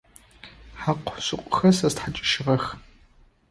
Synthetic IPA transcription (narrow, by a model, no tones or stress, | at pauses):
ħaqʷsɨqʷʼʊxɐsɐztħat͡ʃʼɪ̥ʃɪʁɐx